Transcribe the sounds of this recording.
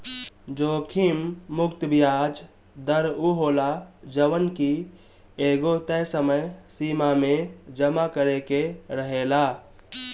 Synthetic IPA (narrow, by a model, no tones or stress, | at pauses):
d͡ʒoːkʰimːʊkt̪bijaːd͡ʒ | d̪əɾuɦoːlad͡ʒəʋənki | eːɡot̪əsəməjsiːmamẽd͡ʒəmakəɾekeɾəɦelaː